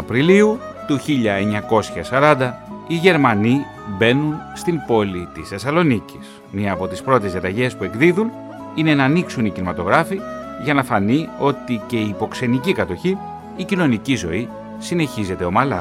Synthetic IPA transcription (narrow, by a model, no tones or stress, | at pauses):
ɐpɾiliut̪uçiʎɐe̞ɲɐko̞sçɐsɐɾɐnd̪ɐiʝe̞ɾmɐni | be̞nunst̪imbo̞lit̪isθe̞sɐlo̞nicis | miɐːpo̞t̪ispɾo̞t̪e̞zðjiɐt̪ɐʝe̞spue̞kðiðun | ine̞nɐːniksunicinimɐt̪o̞ɣɾɐfiʝɐnɐθɐnio̞t̪ice̞iːpo̞kse̞nicikɐt̪o̞çiː | cino̞nicizo̞̰i | sine̞çize̞t̪e̞o̞mɐlɐ̰